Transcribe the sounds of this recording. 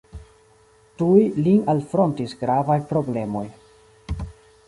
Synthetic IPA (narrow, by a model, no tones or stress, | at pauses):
tujlinalfɾo̞ntisɡɾavajpɾo̞ble̞mo̞j